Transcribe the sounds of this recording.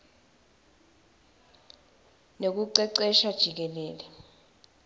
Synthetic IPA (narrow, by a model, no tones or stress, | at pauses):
nek̬uǀɛǀɛʃad̥ʒ̥ʱik̬ɛlɛːlɛ